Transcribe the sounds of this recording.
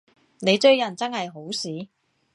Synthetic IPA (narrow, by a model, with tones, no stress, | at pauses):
ne˨˧jtɵ˥˧ɥjɐ˨˩nt͡sɐ˥nhɐ˨jɦo˨˥wsiː˨˥